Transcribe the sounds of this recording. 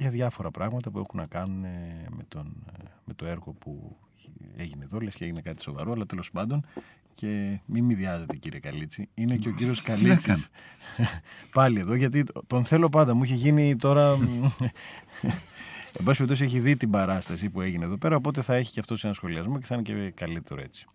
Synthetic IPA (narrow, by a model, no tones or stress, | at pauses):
ʝɐðʝɐfo̞ɾɐpɾɐɣmɐt̪ɐpue̞xunɐkɐnuneme̞t̪onme̞t̪o̞e̞ɾɣo̞pṵ | e̞ʝineðo̞lescee̞ʝinekɐt̪i̥so̞vɐ̰ɾoɐlɐt̪elo̞spɐnd̪o̞n | ce̞mimiðiɐze̞t̪e̞ciɾiekɐlit͡siineceociɾioskɐlit͡s | pɐlie̞ðo̞ʝɐt̪̬it̪o̞nθe̞lo̞p̬ɐnd̪ɐmuiçeʝinit̪o̞ɾɐ | embɐsipeɾipt̪os̬ieç̬iðit̪ibɐɾɐst̪ɐsipue̞ʝineðo̞pe̞ɾɐo̞p̬o̞t̪eθɐe̞çi̥ceɐft̪osenɐsxo̞liɐzmo̞ceθɐinecekɐlit̪e̞ɾo̞e̞t͡si̥